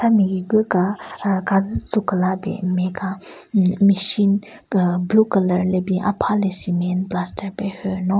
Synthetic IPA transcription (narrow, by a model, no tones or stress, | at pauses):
tʰamiɡiɡɯkakazɯt͡sukəlabɛ̰meka | miʃin | bukələɾlebiʔa̰pʰalesimɛnplastʰəɾpehønɔ